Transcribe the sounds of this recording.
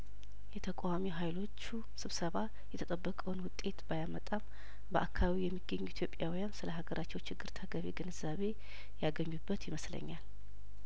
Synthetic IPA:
jɛt̪ʰəkʼawamiɦajlo̞t͡ʃːu | sɨβsəβa | jɛt̪ʰət̪ʼəbːəkʼəwnwʊt̪ʼe̞t̪bajamət̪ʼam | bəʔakʰːaβijɛmːiɡːəɲːuit̪ʰjopʼjawijansɨləɦaɡəɾʔat͡ʃːɛwt͡ʃʰɪɡːɨɾt̪ʰəɡəβḛɡɨnɨzaβe̞ | jaɡəɲːubːət̪jɪməslə̰ɲːal

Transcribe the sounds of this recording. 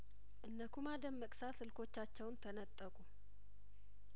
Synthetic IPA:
ʔɨnːəkʰumad̪əmːəkʼsasɨlkʰo̞t͡ʃːat͡ʃːɛwnt̪ʰənət̪ʼːəkʼu

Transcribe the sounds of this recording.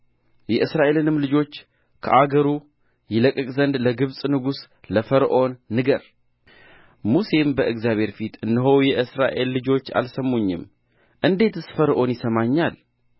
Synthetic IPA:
jɛʔɨsɾaʔe̞lɨnɨmlɨd͡ʒo̞t͡ʃː | kʰə̰ʔaɡəɾu | jɪləkʼəkʼzənd̪ləɡɨβsʼnɨɡus | ləfəɾʔo̞nːɨɡəɾ | muse̞mbəʔɨɡzjaβhe̞ɾfit̪ʰɨnːɨɦo̞wjɛʔɨsɾaʔe̞lːɨd͡ʒo̞t͡ʃːa̰lsəmːoɲːɪ̰m | ʔɨnd̪e̞t̪ʰɨsfəɾʔo̞njɪsəmaɲːal

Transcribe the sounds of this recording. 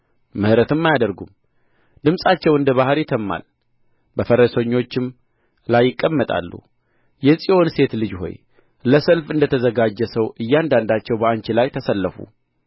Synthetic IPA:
mɨhɾət̪ʰɨmːajad̪əɾɡṵm | d̪ɨmsʼat͡ʃːɛwɨnd̪əβahɾit̪ʰəmːa̰l | bəfəɾəsəɲːo̞t͡ʃːɪm | lajːɪkʼːəmːət̪ʼa̰lːṵ | jɛsʼijo̞nse̞t̪lɨd͡ʒho̞̰j | ləsəlfɨnd̪ət̪ʰəzəɡad͡ʒːɛsəwʔɨjːand̪and̪at͡ʃːɛwbəant͡ʃɪlajt̪ʰəsəlːəfṵ

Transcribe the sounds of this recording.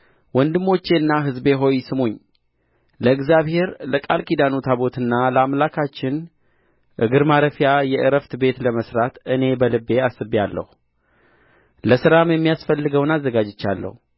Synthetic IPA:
wɔnd̪ɨmːo̞t͡ʃːe̞nːaɦɨzbe̞ɦo̞jsɨmoɲː | ləɨɡzjaβhe̞ɾləkʼalkid̪anot̪ʰaβo̞t̪ɨnːaləamlakʰat͡ʃːɪn | ʔɨɡɨɾmaɾəfijajɛʔɨɾəft̪be̞t̪ləməsɾat̪ɨne̞bəlɨbːe̞asɨbjalːə̰hu | ləsɨɾamjɛmːijasfəlːɨɡəwnazːəɡad͡ʒɪt͡ʃːalːə̰hu

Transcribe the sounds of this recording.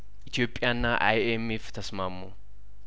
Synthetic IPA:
ʔɪt̪ɪjoːpʼːɪjaːnːaːʔɐ̰jɛmeːft̪ʰɐsmaːmːu

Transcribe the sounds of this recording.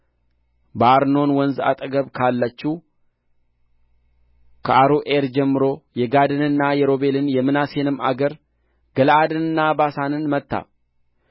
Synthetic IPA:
baaɾno̞nwɔnza̰t̪ʼəɡəβkʰalːət͡ʃːu | kʰəʔaɾuʔeɾd͡ʒɛmːɨɾo̞jɛɡad̪ɨnɨnːajɛɾo̞be̞lɨnjɛmɨnase̞nɨmːa̰ɡəɾ | ɡəlad̪ɨnɨnːabasanɨnmət̪ːa̰

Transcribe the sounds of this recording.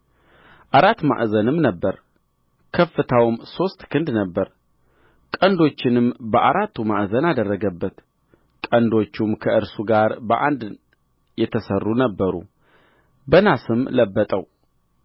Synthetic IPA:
ʔaɾat̪ːma̰ʔzənɨmnəbːəɾ | kʰəfːɨt̪ʰawmso̞st̪kʰɨnd̪nəbːəɾ | kʼənd̪o̞t͡ʃːɪnɨmbəʔaɾat̪ʰːumaʔzənad̪ərːəɡəbːət̪ | kʼənd̪o̞t͡ʃːumkʰəʔɨɾsuɡaɾbəʔand̪ | jɛt̪ʰəsərːunəbːəɾṵ | bənasɨmləbːət̪ʼəw

